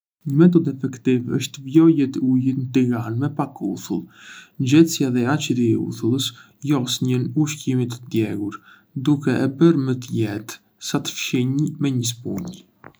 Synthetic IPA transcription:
ɲəmɛt̪̬ɔd̪ɛfɛkt̪ivə̰ʃt̪əvjɔjɛt̪əujənt̪iɡanmɛpakṵθulˠnd͡ʑɛsjaðɛat͡ʃəɾiɛṵθulˠəs | jɔsɲənuʃcimit̪əd̪jɛɡuɾ | d̪ukɛʔɛbəɾmət̪əjɛt̪ | sat̪ə̥fʃiɲmɛɲəs̬pṵɲ

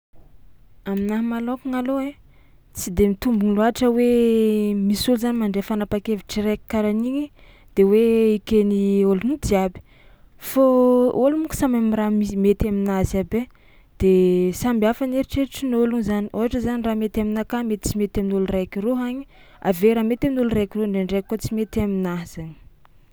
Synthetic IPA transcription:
aminaɦmalokuŋaloe | t͡sid̪emit̪umbunluaʈ͡ʂəwe | misuluzanimaɳɖ͡ʐefanapakeviʈ͡ʂiɾeki̥kaɾaniɲi | d̪̥eweikeniolunud̪iabi̥ | foolumuku̥samamiɾamimet̪aminazabe | d̪̥esambiafaneɾiʈ͡ʂeɾiʈ͡ʂinoluŋzaniʔoɦaʈ͡ʂəzaniramet̪aminakamet̪i̥t͡simet̪aminuluɾakiroɦaɲi̥ | a̰veɾamet̪aminulurekiroɳɖ͡ʐeɳɖ͡ʐekːot͡simet̪aminaz̥ani̥

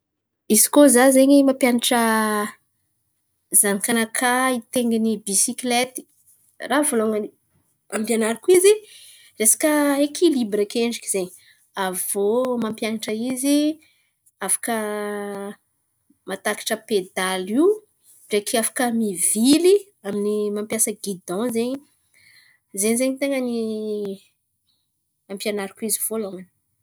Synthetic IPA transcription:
izi̥kozazeɲimampjanaʈ͡ʂə | zanikanakʰait̪eŋɡinibisiklet̪i̥ | ravoloŋ | ampjanaɾakuizi | resḁkəekʰilibɾəkeɳɖ͡ʐikiz̥eɲi | avomampjanaʈ͡ʂəizi | afḁkə | mat̪aki̥ʈ͡ʂəped̪aliw | ɖ͡ʐekiafḁkəmivili | aminimampjasəɡid̪ɔ̃zeɲi | zeɲzeɲit̪eŋəni | ampʲjanaɾikuiziv̥oaloŋani̥

